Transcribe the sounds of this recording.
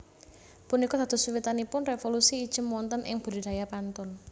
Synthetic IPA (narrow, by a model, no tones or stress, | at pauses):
punikɔd̥̪a̤d̪̥ʊ̤siwit̪anipʊnrefolusiːd̥ʒ̥ə̤mɔnt̪ənʔɪ̰ŋb̥ə̤ɾid̪̥a̤japant̪ɔn